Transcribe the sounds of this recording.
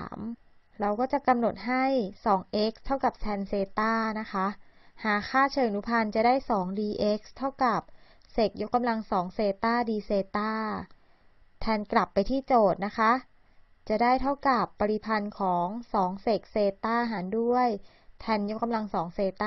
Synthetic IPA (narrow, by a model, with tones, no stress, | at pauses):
m | ɾa˧wkɔː˥˩t͡ɕa˨˩ʔka˧mno˨˩t̪̚ɦa˥˩jsɔː˩˦ŋʔe˦˥k̚st̪ʰa˥˩wka˨˩p̚t̪ʰɛː˧nseː˧t̪aː˥˩na˦˥kʰa˦˥ʔhaː˩˦xʰaː˥˩t͡ɕʰɤː˧ŋnu˦˥pʰa˧nt͡ɕa˨˩daː˥˩jsɔː˩˦ŋdiː˧ʔe˦˥k̚st̪ʰa˥˩wka˨˩p̚ | se˨˩k̚jo˦˥kːa˧mla˧ŋsɔː˩˦ŋseː˧t̪aː˥˩diː˧seː˧t̪aː˥˩ | t̪ʰɛː˧nkla˨˩pːa˧jt̪ʰiː˥˩t͡ɕoː˨˩t̪̚na˦˥kʰa˦˥ʔ | t͡ɕa˨˩daː˥˩jt̪ʰa˥˩wka˨˩pːa˧ɾi˧˩pʰa˧nkʰɔː˩˦ŋsɔː˩˦ŋse˨˩k̚seː˧t̪aː˥˩ɦaː˩˦ndu˥˩əj | t̪ʰɛː˧njo˦˥kːa˧mla˧ŋsɔː˩˦ŋseː˧t̪aː˥